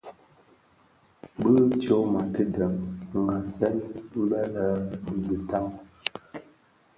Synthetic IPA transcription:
bə˦t͡ʃo˦ma˨tə˦də˨mŋɡa˨sɛ˦ni˦u˦lə˦lə˨˦bi˨bə˨ta˦ŋ

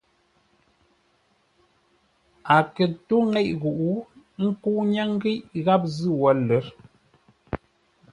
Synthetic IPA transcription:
a˨kə˨tu˦ŋɛ˦ʔɣu˨ʔu˦ | ŋ̩˦ku˦ʔɲa˦ŋ˦ɡi˦ʔɣa˦p̚zɨ˦wɔ˨˦lə˨˦ɾ

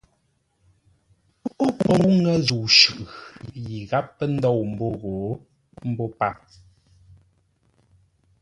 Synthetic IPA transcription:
ʔo˦kɔ˨ŋu˦ŋɛ˦zu˨wʃʉ˨ʔji˨ɣa˦pːə˦n̩˦dɔ˦˨wm̩˨bo˦ɣo˨˦ | m̩˦bo˦pa˦˨

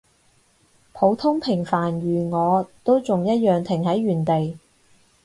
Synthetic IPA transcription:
pʰo˨˧˥wt̪ʰʊ˥ŋpʰɪ˨˩ŋfaː˨˩nɥyː˨˩ŋɔː˨˧t̪o˥wt͡sʊ˨ŋjɐ˥t̚jœː˨ŋt̪ʰɪ˨˩ŋhɐ˨˥jɥyː˨˩nt̪e˨j

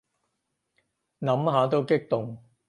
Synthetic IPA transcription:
nɐ˨˥mɦaː˨˥t̪o˥wkɪ˥k̚t̪ʊ˨ŋ

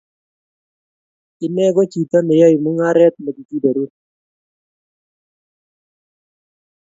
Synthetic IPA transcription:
kɪ˨nɛ˦ɡɔ˦t͡ʃi˨t̪a˦nɪ˨ja˦jmu˦ŋa˦ɾɛ˦t̪̚ma˨ɡi˨ti˦da˨ɾu˦t

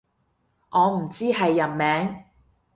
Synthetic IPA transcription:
ʔɔː˨˧m̩˨˩t͡siː˥ɦɐ˨jːɐ˨˩nmɛː˨˥ŋ

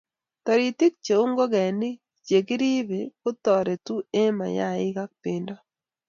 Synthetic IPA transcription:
tɔ˨ɾi˨tɪ˦k̚t͡ʃe˨u˦ŋɡo˦ɡɛ˨nɪ˦ | t͡ʃe˨kɪ˦ɾi˦βe˨kʊ˦tɔ˨ɾe˨tu˦e˦ma̰˨ja̰˦˨ɪ˦ɡa˦k̚pɪ˨ndɔ˦

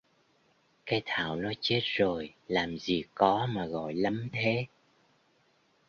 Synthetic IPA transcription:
kaː˨˦jt̪ʰa̰ː˧˨wnɔ˨˦jt͡ɕe˦˥t̚zo˨˩jlaː˨˩mzi˨˩kɔ˨˦maː˨˩ɣɔ̰˧˨jlə˨˦mt̪ʰe˨˦

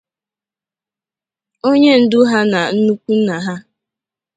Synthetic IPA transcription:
o˦ɲe˦n̩˨dʊ˦ɦa˦na˨n̩˦nu˦kʷu˦na˨ɦa˦

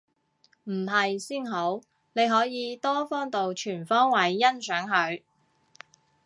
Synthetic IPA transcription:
m̩˨˩ɦɐ˨jsiː˥nɦo˨˥w | ne˨˧jɦɔː˨˥jiː˨˧t̪ɔː˥fɔː˥ŋt̪o˨wt͡ʃʰyː˨˩nfɔː˥ŋwɐ˨˥jːɐ˥nsœː˨˥ŋɦɵ˨˧ɥ

